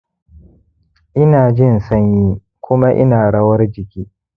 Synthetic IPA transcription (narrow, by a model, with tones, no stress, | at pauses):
ʔɪ˦naː˨d͡ʒɪ˦˨nsɐ˦ɲjiː˦ | kʷʰʊ˦ma˦ʔɪ̰˦naː˨ɽɐ˦wɐ˦rd͡ʒɪ˨kʲiː˦